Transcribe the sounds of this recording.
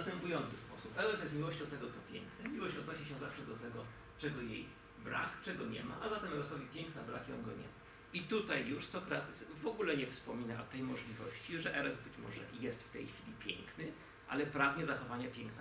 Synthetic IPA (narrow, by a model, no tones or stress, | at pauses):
st̪ɛmpujɔnt̪sɘspɔsupɛɾɛsjɛst̪mʲiwɔɕt͡ɕɔ̃w̃t̪ɛɡɔt̪sɔpʲjɛ̰ŋknɛmʲiwɔɕt͡ɕɔd̪nɔɕiɕɛ̃zafʂɛd̪ɔt̪ɛɡɔ | t͡ʂɛɡɔjḛj | bɾa̰kt͡ʂɛɡɔɲɛ̰ma̰ʔazat̪ɛmɛɾɛsɔvʲipʲjɛŋknabɾa̰kiɔ̰nɡɔɲɛ̰ma | it̪ut̪ajːuʂsɔkɾat̪ɘsvɔɡulɛɲɛfspɔmʲinaʔɔt̪ɛjmɔʐlʲivɔ̰ɕt͡ɕiʐɛʔɛɾɛzbɘt͡ɕmɔ̰ʐɛ̰jɛst̪ft̪ɛjxfʲilʲipʲjɛ̰ŋknɘ | ʔa̰lɛpɾavɲɛzaxɔvaɲapʲjɛŋkna